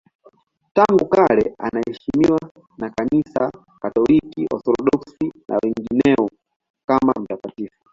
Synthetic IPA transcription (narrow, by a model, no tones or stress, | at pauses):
taŋɡukalɛanahɛʃimiwa | nakanisa | katɔlikiʔɔ̰θɔlɔɗɔksina̰wɛŋɡinɛɔ | kama̰m̩takatifu̥